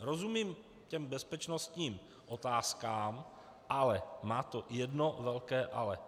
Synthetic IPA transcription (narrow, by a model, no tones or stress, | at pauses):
ɾozumiːm | cɛmbɛspɛt͡ʃnost̪ɲiːm | ʔo̞t̪aːskaːm | ʔalɛmaːt̪ojɛdnovɛlkɛːʔalɛ